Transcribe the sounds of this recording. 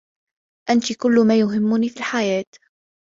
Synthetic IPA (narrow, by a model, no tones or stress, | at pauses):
ʔant̪ikʊlːʊmaːjʊɦɪmːʊniːfiːlħajaːt̪